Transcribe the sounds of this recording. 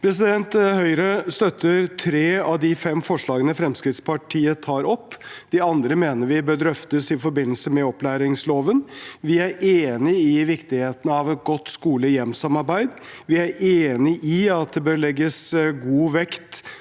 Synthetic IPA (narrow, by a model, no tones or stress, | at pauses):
pʰɾɛs̬ɪd̪ɛnt̪hœʏɾəst̪œt̪ːəɾt̪ʰɾeːɑʋd̪ɪfɛmfɔʂɭɑːɡənəfɾɛmskɾɪt̪spɑʈʰiːət̪ʰɑːɾɔpːd̪̥ɪɑnd̪ɾəmeːnəɾʋɪbøːɾd̪ɾœft̪əsɪfɔɾbɪnːəl̩səmɛɔplæːɾɪŋsloːʋənʋɪæɾeːnɪɪʋɪkt̪ɪheːt̪ənəɑʋɛt̪̚ɡɔt̪ːskuːləjɛmsɑmɑɾbæɪd̪ʋɪæɾeːnɪʔɪɑt̪̚d̪ɛbøːɾɭɛɡːəsɡuːʋɛkt̪